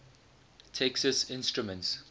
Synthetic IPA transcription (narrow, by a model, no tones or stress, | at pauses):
tʰɛksəsɪ̃nstɹumə̃nts